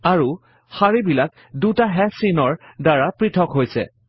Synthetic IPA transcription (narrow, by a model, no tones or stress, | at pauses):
aɹu | xaɹibilak̚ | dutaɦɛsinɔɹdaɹapɹitʰɔkɦojsɛ̰